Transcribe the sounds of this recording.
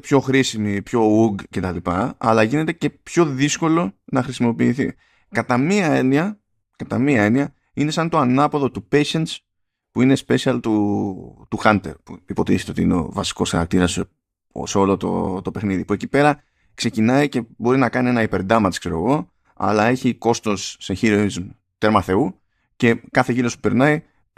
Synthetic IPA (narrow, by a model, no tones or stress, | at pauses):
pço̞xɾisimipço̞uɡce̞t̪ɐlipɐɐlɐʝine̞t̪e̞ce̞pço̞ðisko̞lo̞nɐxɾisimo̞piːθi | kɐt̪ɐmiɐe̞niɐ | kɐt̪ɐmiɐe̞niɐ | ine̞sɐnt̪o̞ɐnɐpo̞ðo̞t̪upe̞ʃent̪s | puine̞spe̞siɐlt̪u | t̪uxɐnt̪e̞̰ɾpuipo̞t̪iset̪eo̞t̪iineo̞̰vɐsi̥ko̞sxɐ̰ɾɐ̰k̚t̪iɾɐsḛ | seo̞lot̪o̰t̪o̞pe̞xniðipue̞cipe̞ɾɐ | kse̞cinɐice̞bo̞ɾinɐkɐnie̞nɐipe̞ɾd̪ɐmɐt̪skse̞ɾo̞̰ɣo̞ | ɐ̰lɐe̞çiko̞st̪o̞sːençiɾoizm | t̪eɾmɐθe̞u | ce̞kɐθe̞ʝiɾo̞spu̥pe̞ɾnɐi